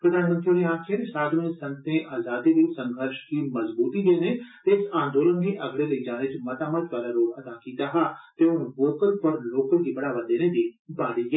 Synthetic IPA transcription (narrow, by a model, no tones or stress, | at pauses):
pɾəd̪ʱaːnmənt̪ɾioliãːkʰɪɾsaːd̪ʱmẽːsə̃nt̪ẽːʔaːzaːd̪iːdisə̃ŋɡʱəɾʃkiməzbuːt̪iːd͡ʒ̪eːneːt̪eɪsãːnd̪oːlənd̪eːʔɐɡɽeːləid͡ʒaːneːt͡ʃmɐt̪aːmad͡ʒ̪ʋaːlaɾoːɽəd̪aːkiːt̪aɦaːt̪eːʊnboːkəɾpəɾloːkəɾkiːbɐɽaːʋəd̪eːnẽːd̪iːbaːɾiːɡɛː